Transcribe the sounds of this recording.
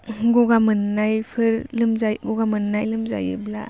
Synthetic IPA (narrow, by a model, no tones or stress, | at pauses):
ɡɔɡamɯnːajpʰɯɾlɯmzaɡɔɡamɯnːajlɯmza̰jɯ̰bla̰